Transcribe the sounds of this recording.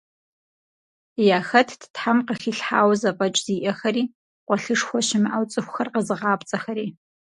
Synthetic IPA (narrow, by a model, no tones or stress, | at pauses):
jaːxɐtʰdʰtħamqəxiɬħa̰ːwzapʼɐt͡ʃʼz̥iːʔɐxɐɾiː | qʷɔɬɨʂxʷɔʃɪmʔawt͡sʼɨxʷxɐrqəzɨʁɑːpt͡sʼɐxɐɾiː